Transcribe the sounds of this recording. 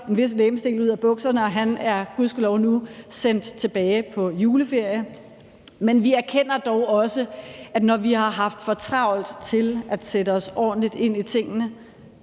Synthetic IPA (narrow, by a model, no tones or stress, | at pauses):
e̝nʋe̝sleːmsd̥e̝̰ːluð̞̰ˠæb̥ɔ̽ɡ̥sɐnəɒ̽ɦænæɐɡ̥uðˠsɡ̥ulɒʊnusen̰d̥t͡sʰe̝b̥ɛːɪpʰɒ̽juːləfe̝ɐ̰jə | menʋiæɐkʰen̰ɐd̥ɒʊɒ̽səæ̥nɒʋihɑ̈ɦɑ̈fd̥fɒ̽t͡sʰʁɑ̈ʊ̰l̩t͡sʰe̝lʔæd̥seɾəɒ̽sɒ̰ːd̥n̩lid̥e̝n̰it͡sʰe̝ŋ̰ənə